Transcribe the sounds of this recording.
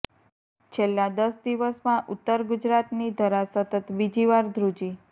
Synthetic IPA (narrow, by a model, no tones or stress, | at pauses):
t͡ʃʰelːad̪əsd̪iʋəsmãʔʊt̪ːəɾɡud͡ʒɾat̪nid̪ʱəɾasət̪ət̪bid͡ʒiʋaɾd̪ʱɾud͡ʒi